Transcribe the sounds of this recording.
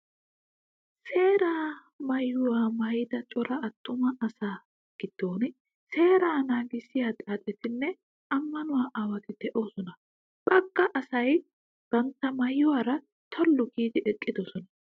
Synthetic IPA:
se̞ːɾaː | mɐjːʊwaːmɐjɪd̪ɐt͡ʃʼɔɾɐɐt̪ːʊmɐɐsaː | ɡ̥ɪd̪̥ːo̞ːn | se̞ːɾaːnaːɡɪsɪjaːt̪ʼaːt̪ʼɛt̪ɪnːɛ | ɐmːɐnʊwaːʔaːwɐt̪ɪd̪̥ɛʔo̞ːsɔnɐ | bɐɡ̥ːɐʔɐsɐj | ɡ̥ɐnt̪ːɐmɐjːʊwaːɾɐ | t̪ʰɔlːʊɡiːd̪ɪʔɛkʼːɪd̪ɔsɔnɐ

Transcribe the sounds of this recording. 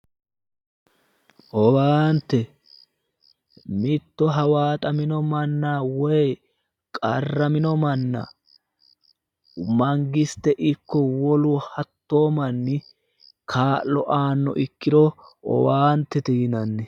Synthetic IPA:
ʔɔwaːnt̪ːɛ | mɪt̪ːɔɦɐwaːt̪ʼɐmɪnɔmɐnːaːwɔj | kʼɐrːɐmɪnɔmɐnːa̰ | mɐŋɡɪst̪ɛʔɪkːɔwɔlʊhɐt̪ːoːmɐnːɪ | kʰaːlːɔʔaːnːɔ̰ʔɪkːɪɾɔɔ̰waːnt̪ːɛt̪inɐnːɛ

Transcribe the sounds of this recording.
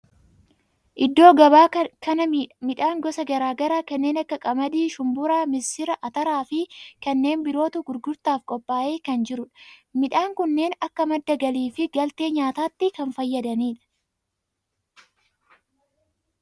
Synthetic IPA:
ʔɪd̪ːo̞ːɡɐbaːkɐɐmɪᶑaːŋɡɔsɐɡɐɾaːɡɐɾaːkɐnːe̞ːnɐkːɐkʼɐmɐd̪iːʃʊmbʊɾaːmɪsɪɾɐʔɐt̪ɐɾaːfɪkɐnːe̞ːnbɪɾo̞ːt̪ʊɡʊɾɡʊɾt̪aːfkʼɔpʼːaːʔe̞ːkɐnd͡ʒɪɾʊᶑɐ̥mɪᶑaːŋkʊnːe̞ːnɐkːɐmɐd̪ːɐɡɐliːfɪɡɐlt̪e̞ːɲaːt̪aːt̪ːɪkɐnfɐjːɐd̪ɐniːᶑɐ̥

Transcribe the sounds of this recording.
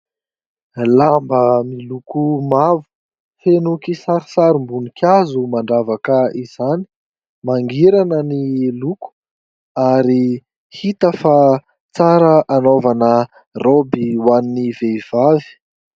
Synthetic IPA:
lambəmilukumavu̥ | fenukisaɾisaɾimbunikʰʲjazumaɳɖ͡ʐavakəiz̥ani̥ | maŋɡiɾanəniluku̥ | aɾi | hit̪əfa | t͡saɾəʔanovanə | robiwaniniveiv̥avi̥

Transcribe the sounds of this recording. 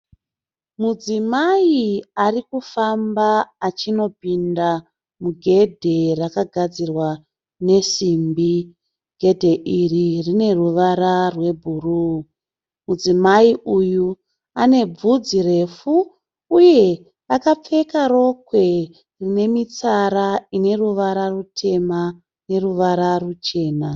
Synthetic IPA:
mud͡zimaiarikufambaːt͡ʃino̞pinda | muɡʱe̞dʱe̞rakaɡʱad͡zirwa | ne̞simbi | ɡ̥ʱe̞dʱe̞ʔiririne̞ruʋaɾarwe̞bʱuruː | mud͡zimaiʔuju | ane̞b͡vud͡zire̞fuː | je̞ | akap͡fe̞kaɾo̞kwe̞ | rine̞mit͡saɾaine̞ruʋaɾarutʰe̞ma | ne̞ruʋaɾarut͡ʃe̞ːna

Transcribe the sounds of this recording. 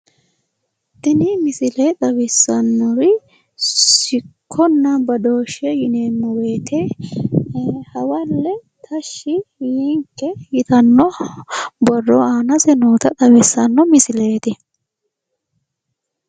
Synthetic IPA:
t̪ɪnɪmɪsɪleːt̪ʼɐwɪsːɐnːɔɾɪ | sɪkkʰːɔnːɐbɐd̪o̞ːʃɛjɪneːnːɔwe̞ːt̪ʰe | hɐwɐlːɛt̪ʰɐʃːɪhiŋkːɛjɪt̪ɐnːɔ | bɔrːɔaːnɐsɛnuːt̪ɐt̪ʼɐwɪsːɐnːɔmɪsɪleːt̪ɪ

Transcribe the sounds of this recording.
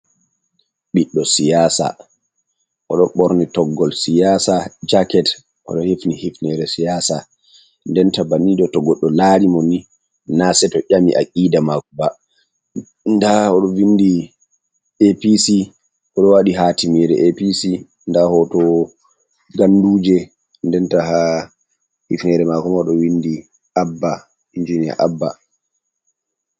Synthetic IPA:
ɓiɗːɔsijaːsa̰ | ʔɔɗɔɓɔɾnitɔɡːɔlsijaːsad͡ʒakɛt | ʔɔ̰ɗɔhefnihefnɛɾɛsijasa | ndɛntabaniɗɔtɔɡɔɗːɔlaɾimɔnːi | nasɛtɔʔamḭʔakʼiːdamakuba | ndaɔɗɔwindi | episi | ʔɔɗɔwaɗiɦaːtimiɾɛʔepisi | ndahɔtɔ | ɡanduːd͡ʒɛ | ndɛntaɦa | hifnɛɾɛmakɔmaɔɗɔwindi | abːa | ind͡ʒinija̰ʔabːa̰

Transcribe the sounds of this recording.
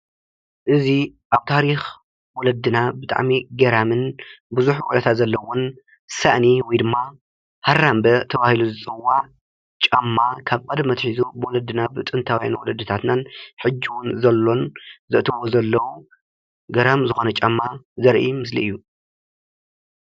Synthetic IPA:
ʔɨziʔaβt̪ʰaɾix | wɔlɐd̪ɨnabɨt̪ʼa̰ʕmiɡɐɾamɨnbɨzuħuwɔlɐt̪ʰat̪zɐlːɐwon | saʔniwɔjd̪ɨmːa | harambɐt̪ʰɐβahiluzɨt͡sʼɨwːaʕ | t͡ʃʼɐmːakʰaβkʼɐd̪ɐmɐt̪ħizubɨwɔlɐd̪ːɨnabɨt̪ʼɨnt̪ʰawja̰nwɔlɐd̪ːɨt̪ʰat̪nanħɨd͡ʒːiwʊnzɐlːo̞nzɨʔt̪ʰɨβozɐlːɐwu | ɡɐɾamzɨxo̞nɐt͡ʃʼɐmːazɐɾʔḭmɨslḭʔɨjːu

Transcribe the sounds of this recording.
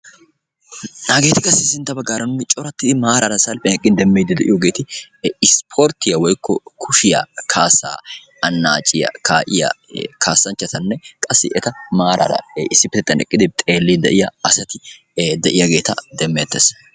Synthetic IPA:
naːɡeːt̪ɪkʼɐsːɪsɪnt̪ːɐbɐɡːaːɾɐnʊnɪt͡ʃʼɔɾɐt̪ːɪd̪ɪmaːɾɐɾɐsɐlpʼɛnɛkʼːɪnd̪ɛmːeːd̪ɪd̪ɛʔɪjoːɡe̞ːt̪ɪ | ɪspʰoːɾt̪ːɪjɐwɔjkːɔ̰kʰʊʃɪjɐ̰kʰaːsa̰ː | ɐnːa̰ːt͡ʃʼɪjɐ̰kʰaːʔɪjɐ̰kʰaːsːɐnt͡ʃːɐt̪ɐnːɛkʼɐsːɪʔɛt̪ɐmaːɾɐ̰ɾɐ̰ɪsːɪpɪt̪ɛt̪ːɐnɛ̰kʼːɪd̪ɪt̪ʼe̞ːlːid̪ɛ̰ʔɪjɐɐsɐt̪ɪ | d̪ɛʔɪjɐɡe̞ːt̪ɐd̪ɛmːɛt̪ːes

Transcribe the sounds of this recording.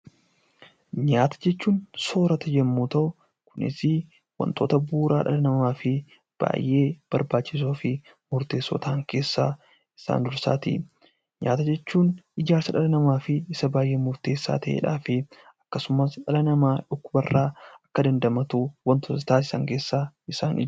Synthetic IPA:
ɲaːt̪ɐ̥d͡ʒɛt͡ʃːuːnso̞ːɾɐt̪ɐd͡ʒɛmːuːt̪ɐʊ | kʊnɪ̰sɪ | wɐ̰nt̪o̞̰ːt̪ɐbuːɾʔaːᶑɐ̰lɐnɐmaːfɪ | b̥a̰ːjʔːe̞ːb̥ɐɾbaːt͡ʃːɪs̬oːfɪ | mʊɾt̪e̞ːsːo̰ːt̪ʰaːŋke̞ːsːa̰ː | ɪsa̰ːnd̪ʊɾsa̰ːt̪ɪ̰ | ɲa̰ːt̪ɐd͡ʒɛt͡ʃːuːnɪd͡ʒaːɾsɐᶑɐlɐnɐmaːfɪɪsɐbaːjʔe̞ːmʊɾt̪e̞ːsːa̰ːt̪ɐʔḛːᶑa̰ːfɪ | ɐ̥kːɐsʊmɐsᶑɐlɐnɐmaːᶑʊkːʊbɐrːaːɐkːɐd̪ɐnd̪ɐmɐt̪uːwɐnt̪oːt̪t̪aːsɪ̥sɐ̰ŋke̞ːsːaːɪsaːnɪ

